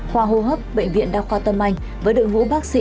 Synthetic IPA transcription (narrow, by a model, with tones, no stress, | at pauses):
xwaː˧ɦo˧˩ɦəː˦˥p̚ɓə̰˧˨jŋ̟vḭ˧˨ənɗaː˧˩xwaː˧t̪ə˧mʔa˧jŋ̟ | vəː˨˦jɗɨ̰˧˨əŋvṵ˧˥ɓaː˦˥k̚sḭ˧˥